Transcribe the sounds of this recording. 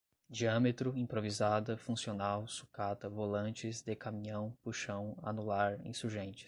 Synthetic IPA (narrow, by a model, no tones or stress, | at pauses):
d͡ʒiɐ̃met̪ɾʊĩpɾovizad̪ɐfũsionawsu̥kat̪ɐvolɐ̃nt͡ʃɪzd̪ekamĩɲɐ̃w̃puʃɐ̃w̃a̰nulaɾḛ̃suɾʒẽnt͡ʃɪ̥s